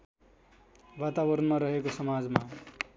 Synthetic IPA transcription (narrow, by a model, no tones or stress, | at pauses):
wat̪abʌɾʌnmaɾʌɦekosʌmad͡zma